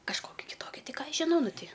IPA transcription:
kɐʃˈkoːkʲɪ kʲɪˈtoːkʲɪ ˈtʲɪ ˈkɑː ˈɐʃ ʒʲɪˈnɐʊ ˈnʊ ˈtʲɪ

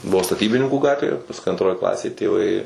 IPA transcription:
ˈbʊʋoː stɐˈtʲiːbʲɪnʲɪŋkuː ˈɡɑːtʲʋʲeː pɐsˈkʊɪ ɐntˈroːj ˈklˠɑːsʲeːj tʲeːˈʋɐɪ

